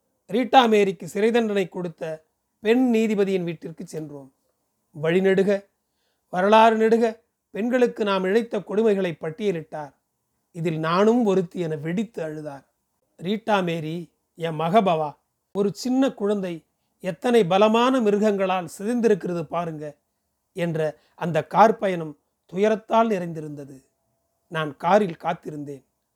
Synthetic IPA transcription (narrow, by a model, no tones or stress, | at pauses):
ɾiːʈːaːmeːɾɪkːɯsɪɾɐɪðɐɳɖɐnɐɪkːɔɽɯt̪ːɐ | pɛɳniːðɪbɐðɪjɪnʋiːʈːɪrkɯt͡ʃːɛndroːm | ʋɐɻɪnɛɽɯɣɐ | ʋɐɾɐɭaːɾɯnɛɽɯɣɐ | pɛɳɡɐɭɯkːɯnaːmɪɻɐɪt̪ːɐkɔɽɯmɐɪɣɐɭɐɪpːɐʈːɪjɐlɪʈːaːɾ | ɪðɪlnaːnɯmɔɾɯt̪ːijɛnɐʋɛɽɪt̪ːɯɐɻɯðaːɾ | ɾiːʈːaːmeːɾi | jɐmɐɣɐbɐʋaː | ɔɾɯt͡ʃɪnːɐkʊɻɐnd̪ɐɪ | ɛt̪ːɐnɐɪbɐlɐmaːnɐmɪɾɯɣɐŋɡɐɭaːlsɪðɐnd̪ɪɾɯkːɪrɐðɯpaːɾɯŋɡɐ | ɛndrɐ | ɐnd̪ɐkːaːɾpɐjɐnɯm | t̪ʊjɐɾɐt̪ːaːlnɪɾɐɪnd̪ɪɾɯnd̪ɐðɯ | naːnkaːɾɪlkaːt̪ːɪɾɯnd̪eːn